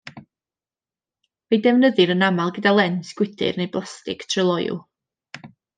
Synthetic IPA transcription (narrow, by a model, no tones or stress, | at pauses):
vedɛvnəðɨɾənamalˠɡədalˠɛnsɡ̥wɪtʰɪ̰rnejblˠastɪktʰrəlˠɔjʊ̰lˠ